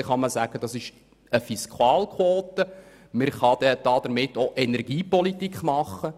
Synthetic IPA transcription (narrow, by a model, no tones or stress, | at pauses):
χɑməsæːɡ̥əd̥ɑsɪʃ | əfiskʰwɑːlkʰwoːtə | məɾχɑd̪ɛd̥̪ɑd̥̪əɾmɪtːoʔɛnɛɾɡ̥iːpɔlitikχmɑχə